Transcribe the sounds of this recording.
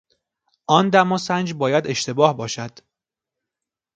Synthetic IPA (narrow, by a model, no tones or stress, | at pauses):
ʔɒːnd̪æmɒːsænd͡ʒbɒːjæd̪e̞ʃt̪e̞bɒːhbɒːʃæd̪̥